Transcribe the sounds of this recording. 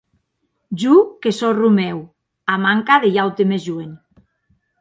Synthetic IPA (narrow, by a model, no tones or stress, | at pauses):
d͡ʒukesɔrumew | amaŋkaðejawt̪emezʒuen